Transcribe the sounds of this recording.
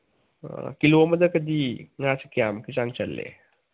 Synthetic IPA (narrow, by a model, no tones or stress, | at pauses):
kilomɐd̪ɐkɐd̪iŋat͡ʃɐ̥kijamkit͡ʃaŋt͡ʃɐlːḛ